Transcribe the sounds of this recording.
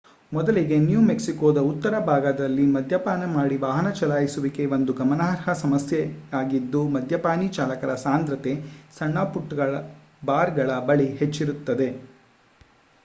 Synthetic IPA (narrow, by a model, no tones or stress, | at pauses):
mɔd̪ɐliɡe̞njuːmeksikoːd̪ɐut̪ːɐɾɐbʱaːɡɐd̪ɐlːimɐd̪ʱjɐpaːnɐmaːɽiʋaːɦɐnɐt͡ʃɐlaːjisuʋike̞ʋond̪uɡɐmɐnaːɦɾɦɐsɐmɐsjeaːɡid̪ːumɐd̪ʱjɐpaːnit͡ʃaːlɐkɐɾɐsaːnd̪ɾɐt̪e̞sɐɳːaːpuʈːɡɐɭɐ | baːɾɡɐɭɐbɐɭiɦet͡ʃːiɾut̪ːɐd̪e̞